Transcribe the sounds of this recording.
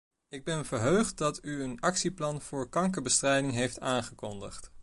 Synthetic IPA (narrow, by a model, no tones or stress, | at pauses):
ɪɡ̚bɛnvəɹɦøɥχt̚dɑtyənɑksiplɑnv̥ʊːɹkɑŋkəɹbəstrɛjdɪŋɦejftaːnχəkɔndə̰χt